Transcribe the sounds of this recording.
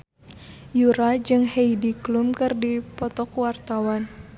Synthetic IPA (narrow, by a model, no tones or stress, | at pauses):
juɾad͡ʒɨŋheidiklumkɨrdipɔt̪ɔkwart̪awan